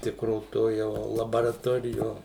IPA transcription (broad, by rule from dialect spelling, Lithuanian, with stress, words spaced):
ˈtʲɪkroː ˈtoː jɛʊ lˠɐbɐrɐˈtoːrʲɪjoː